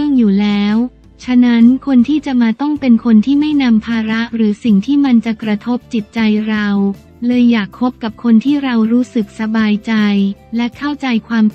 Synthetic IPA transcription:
ɯ˥˩əŋjuː˨˩lɛː˦˥w | t͡ɕʰa˦˥na˦˥nkʰo˧nt̪ʰiː˥˩t͡ɕa˨˩maː˧t̪ɔ˥˩ŋpe˧nkʰo˧nt̪ʰiː˥˩ma˥˩jna˧mpʰaː˧ɾa˦˥ʔɾɯː˩˦si˨˩ŋt̪ʰiː˥˩ma˧nt͡ɕa˨˩kɾa˧t̪ʰo˦˥p̚t͡ɕi˨˩t̪̚t͡ɕa˧jɾa˧w | lɤː˧jːaː˨˩kʰːo˦˥p̚ka˨˩p̚kʰo˧nt̪ʰiː˥˩ɾa˧wɾuː˦˥sɯ˨˩k̚sa˧baː˧jt͡ɕa˧jlɛ˦˥kʰa˥˩wt͡ɕa˧jkʰwaː˧m

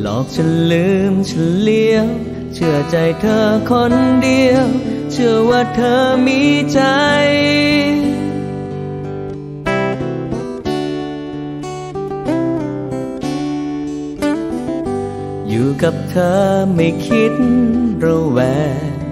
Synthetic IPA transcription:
lɔ̰ː˨˦k̚t͡ɕʰa˧˩nlɯː˦˥˨mt͡ɕʰa˧nli˧əw | t͡ɕʰɯ˥˧˩ət͡ɕa˧jt̪ʰɤː˧˥kʰo˧˥ndi˧əwt͡ɕʰɯ˥˩əwaː˥˩t̪ʰɤː˧˥miː˧˥t͡ɕa˧j | juː˨˩ka˨˩p̚t̪ʰɤː˧ma˥˩jkʰi˦˥t̪̚ɾa˧wwɛː˨˧˦

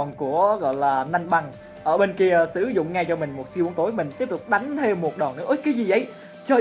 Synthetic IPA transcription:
nku˧˩əɣɔ̰˧˨jlaː˨˩na˧jŋɓa˧ŋ | ʔəː˧˩ɓe˧nki˧əsɨ˧˩zʊ̰˧˨ŋ͡mŋa˧jt͡ɕɔ˧mï˨˩ŋ̟mo˨˩t̚si˧ʔu˨˦əŋt̪o˨˦jmï˨˩ŋ̟t̪i˦˥əp̚t̪ʊ˨˩k͡p̚ɗa˨˦jŋ̟t̪ʰe˧mːu˨˩t̚ɗɔ˨˩nɨ̰˧˥əʔə˦jkaː˨˦jzi˨˩ʔə˨˦j | t͡ɕəː˧˩

